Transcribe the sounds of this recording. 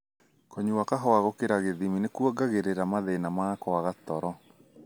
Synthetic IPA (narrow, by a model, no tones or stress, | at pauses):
kɔɲuwakaɦɔaɣokeɾaɣeðiminekwɔɡaɣeɾeɾamaðenamakɔaɣat̪ɔɾɔ